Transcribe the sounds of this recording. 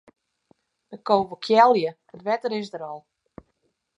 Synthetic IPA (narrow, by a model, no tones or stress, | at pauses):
dəkowvəkʰjɛlˠjə | ətʋɛtəɾɪsdəɾɔlˠ